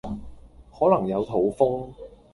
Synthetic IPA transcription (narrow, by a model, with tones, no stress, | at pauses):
hɔː˨˥lɐ˨˩ŋjɐ˨˧wt̪ʰo˨˥wfʊ˥ŋ